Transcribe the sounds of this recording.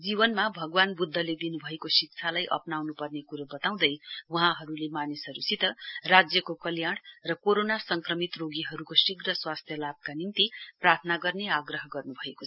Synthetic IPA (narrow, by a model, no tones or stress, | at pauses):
d͡zibʌnmabʱʌɡwanbud̪ʱːʌled̪inubʱʌekosik̚t͡sʰalajʔʌ̰pnawnupʌrnekuɾobʌt̪aw̃d̪ʌjwuɦãɦʌɾulemanisʌɾusit̪ʌrad͡zjʌkokʌljaɽ̃rʌkoɾonasʌŋkrʌmit̪roɡiɦʌɾukosiɡrʌswast̪ʰjʌlab̚kanint̪iprart̪ʰnaɡʌrneaɡrʌɦʌɡʌrnubʱʌekot͡sʰʌ